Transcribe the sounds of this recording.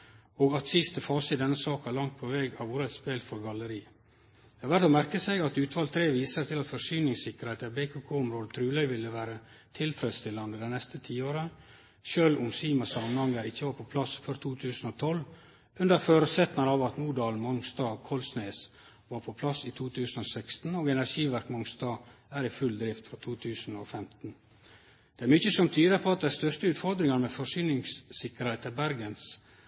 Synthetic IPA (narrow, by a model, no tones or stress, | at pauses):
oːɡɑt̪sɪst̪əfɑːsəɪd̪ɛnːəsɑːkɑlɑŋt̪̚pʰɔʋɛɡɑʋʊːɾəɛt̪speːlfɔɾɡɑləɾiː | d̪ɛhɑʋæɾt̪ɔmæɾkəsɛɪɑt̪ʉːt̪ʋɑlt̪ʰɾeːʋiːsəɾt̪ɪlɑt̪fɔʂyːnɪŋsɪkəɾheɪt̪æbekʰʉkʰoːʊmɾoːd̪ət̪ʰɾʉːlœʏʋɪlːəʋæːɾə | t̪ʰɪlt̪ʰɾɛt̪st̪ɪlːɑnd̪əd̪ɛɪnɛst̪ət̪ʰiːoːɾə | ʃøːlʊmsiːmɑsɑmənhɑŋəɾɪçːəʋɑːɾpʰɔpʰlɑsfœɾt̪ʰuːt̪ʰʉːsən̩ɔt̪ʰɔl | ʉnd̪əɾføːɾsɛt̪mɑnɑʋɑt̪nuːɖɑːlmɔŋst̪ɑːkʰɔlsneːs | ʋɑːɾpʰɔpʰlɑsiːt̪ʰuːt̪ʰʉːsn̩oːsɛkst̪n̩oːɡɛnæʂiːʋæɾkmɔŋst̪ɑːæːɾɪfʉld̪ɾɪft̪fɾɑt̪ʰuːt̪ʰʉːsn̩oːfɛmt̪n̩ | d̪̥ɛæɾmʏçəsɔmt̪ʰyːd̪əɾpʰoɑt̪̚d̪æst̪œʂtəʉːt̪fɔɾd̪ɾɪŋɑnmɛfɔʂyːnɪŋssɪkəɾhɛɪt̪ælbæɾɡəns